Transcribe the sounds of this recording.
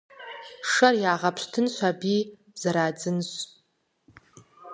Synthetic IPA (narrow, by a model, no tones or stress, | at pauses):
ʂarjaːʁapʰɕtʰɨnɕʷabi | zaɾaːd͡zɨnɕʷ